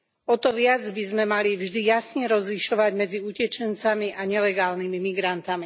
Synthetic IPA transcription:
ɔt̪ɔʋɪad͡zbizmɛmalivʒd̪ijasɲɛɾɔzliʃɔʋaɟmɛd͡ziucɛt͡ʃɛnt͡samiʔaɲɛlɛɡaːlnimimiɡɾant̪ami

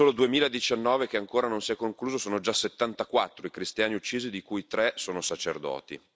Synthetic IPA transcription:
oːlod̪uemiːlaed̪it͡ʃanːɔːvek̟eaŋkoːɾanonsiɛkːoŋkluːzosoːnod͡ʒasːet̪ːant̪akwat̪ːɾoikɾist̪jaːniut͡ʃːiːzid̪ikujit̪ɾɛsoːnosat͡ʃerd̪ɔ̰ːt̪ḭ

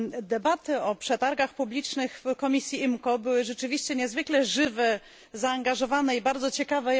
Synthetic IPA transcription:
d̪ɛbat̪ɘɔpʂɛt̪aɾɡaxpublʲit͡ʂnɘxfkɔmʲisʲjiimkɔbɘwɘʐɛt͡ʂɘvʲiɕt͡ɕɛɲɛzvɘklɛʐɘvɛ | zaːŋɡaʐɔvanɛibaɾd̪zɔt͡ɕɛkavɛ

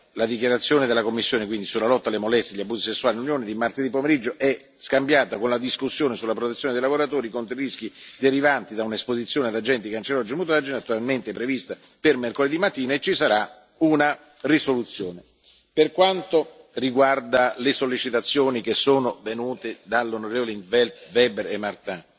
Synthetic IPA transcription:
lad̪ik̬jaɾat̪sːjoːned̪elːakomːisːjoːnek̬wind̪isulːalɔt̪ːalemolɛst̪jeʎːabːuːzisesːuaːlinlunjoːned̪imart̪ːed̪ipːomeɾid͡ʒːoʔɛ | skambjaːt̪akonlad̪iskusːjoːnesulapɾot̪et̪sːjoned̪ejlavoɾat̪oːɾikont̪ɾiɾisk̟id̪eɾivant̪id̪aunaespozit̪sːjoːnead̪ad͡ʒɛnt̪ikant͡ʃeɾɔd͡ʒimut̪̬oɾad͡ʒinat̪ːualment̪ɪpɾevist̪a | permerkoled̪imat̪ːiːnaet͡ʃisaɾa | una | risolut̪sːjoːne | perkwant̪o | riɡward̪alesolːit͡ʃit̪at̪sːjoːnikesːoːnovenuːt̪ed̪alːonoɾeːvoleint̪vɛlt̪vɛːbeɾemːart̪ã

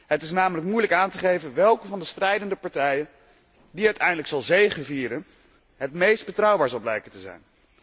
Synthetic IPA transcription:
ɦətɪsnaːmələk̚mujləkaːntəχejvənʋɛlˠkəvɑndəstrɛjdəndəpɑɹtɛjə | diœɥtʰɛjndələksɑlˠzejχəviːɾən | ɦətmejsd̚bətrɑwbaːɹzɑlˠblɛjkəntəzɛ̰jn

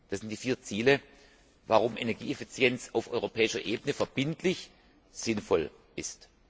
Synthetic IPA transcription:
d̥aszɪntd̥iːfiːɐt͡siːlə | vaʁʊmʔenɛɐɡḭːefit͡sjɛnt͡saʊfʔɔ̰ʏʁopʰɛːɪʃɐʔeːbənəfɛɐb̥ɪntʰlɪç | z̥ɪnfɔl | ʔɪst

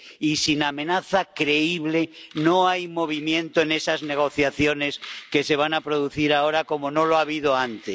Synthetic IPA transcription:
isinamẽ̞naθakɾeiβle̞no̞ajmo̞β̞imjẽ̞nt̪oe̞ne̞sazne̞ɣ̞o̞θjaθjo̞ne̞ske̞se̞β̞anapɾo̞ð̞uθiɾao̞ɾako̞mo̞no̞loaβ̞iðo̞ant̪es

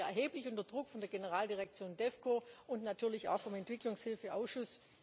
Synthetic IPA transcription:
ɛɐɦeːplɪçʊntɐdʁʊkfɔndeːɐɡenəʁ̞aːldiʁɛk̚t͡sjoːndɛfkʰoːʊntnatʰyːɐlɪça̰ʊxfɔmɛntv̥ɪklʊŋshɪlfəʔaʊsʃʊs

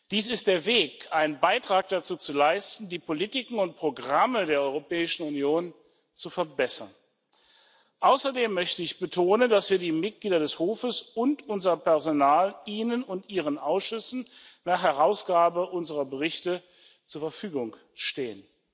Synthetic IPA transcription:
d̥iːsɪst̚d̥eːɐveːkʔaɪnənbaɪtʁ̥aːk̚d̥at͡suːt͡sulaɪstn̩diːpʰolitɪkŋ̩ʊnt̚pʁ̥oɡʁamədeːɐʔɔʏʁopɛːɪʃn̩unjoːn | t͡sufɛɐbɛsɐ̰n | ʔaʊsɐdeːmːœçtəɪçb̥ətʰoːnəndasv̥iːɐdiːmɪt̚ɡ̥liːdɐɾɛshoːfəsʊntʊnzɐpɛɐzonaːlʔiːnənʊntʔiːʁ̞ənʔaʊsʃʏsn̩naːχhɛʁaʊsɡ̥aːbəʔʊnzəʁɐbəʁɪçtə | t͡suːɐfɛɐfyːɡʊŋ | ʃteːən

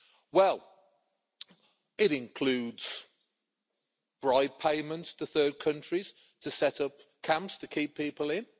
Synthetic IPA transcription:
wɛlˠ | ɪɾɪ̃nkʰl̥ʉːdz̥ | b̥ɹaɪd̚pʰeɪmə̃ntstʰəθɜːd̚kʰʌ̃nt͡ʃɹ̥iz̥ | tʰəsɛtʌp̚kʰãmpstʰəkʰiˑppʰiˑpəlɪ̃n

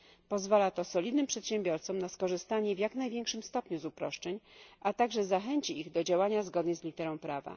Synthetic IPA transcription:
pɔzvalat̪ɔsɔlʲid̪nɘmpʂɛt̪ɕɛmbʲjɔɾt̪sɔmnaskɔʐɘst̪aɲɛvjaknajvʲjɛ̃ŋkʂɘmst̪ɔpɲuzupɾɔʂt͡ʂɛɲat̪aɡʐɛzaxɛɲt͡ɕiiɣd̪ɔd͡ʑawaɲazɡɔd̪ɲɛzlʲit̪ɛɾɔ̃w̃pɾava̰

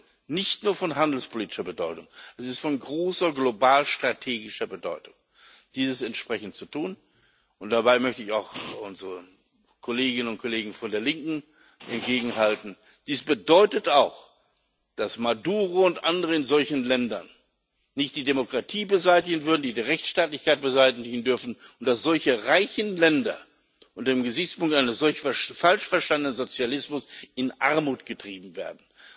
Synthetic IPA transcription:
nɪçtnuːɐfɔnɦandl̩spʰoliːtɪ̥ʃɐbədɔʏtʊŋʔɛsɪstfɔnɡʁoːsɐɡlobaːlʃtʁ̥atʰeːɡɪʃɐbədɔʏtʊŋ | d̥iːzəsɛntʃpʁ̥ɛçn̩tt͡sutʰuːn | ʔʊnt̚d̥abaɪmœçtəɪçaʊxʔʊnzʁə | kʰoleːɡɪnənʊnt̚kʰoleːɡŋ̩fɔndeːɐlɪŋkŋ̩ | ʔɛ̰nt̚ɡ̥eːɡŋ̩ɦaltn̩ | d̥iːsb̥ədɔʏtətaʊx | d̥asmaduːʁoʊntʔandəʁəɪnzɔlçn̩lɛndɐ̰nː | ɪçtd̥iːdemokʁ̥atʰiːbəzaɪtɪɡən̩vʏɐdn̩diːdiːʁɛçtʃtaːtlɪçkaɪt̚b̥əzaɪtɪɪɡn̩dʏɐfn̩ʊntd̥asz̥ɔlçəʁaɪçn̩lɛndɐ̰ | ʔʊntɐdeːmɡəzɪçt͡spʊŋktʔaɪnəsz̥ɔlçfɛfalʃfɛɐʃtandənənzot͡sjalɪsmʊsɪnʔaɐmuːtɡ̥ətʁ̥iːbm̩vḛːɐdn̩

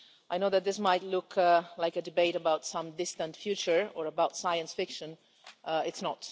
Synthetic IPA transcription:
ʔaɪnoʊðɨt̪̚ðɪsmaɪtˡlʊkʰlaɪkədɨbeɪɾəbaʊtsʌ̃mdɪstə̃ntfjʉt͡ʃə˞əɹəbaʊtsajə̃nsfɪkʃə̃n | ʔɪtsnət

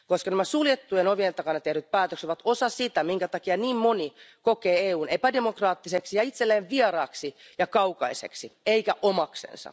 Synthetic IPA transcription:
koskɑnæmæsuljet̪ːujenoʋient̪ɑkɑnɑt̪ehɾyt̪̚pæːt̪økseʋɑt̪osɑsit̪æmiŋkæt̪ɑkiɑniːmmonikokeːeːuːnepædemokrɑːt̪ːiseksijɑit̪selːeːʋʋierɑːksi | jɑkɑukɑisḛksieikæʔomɑksḛnsɑ̰

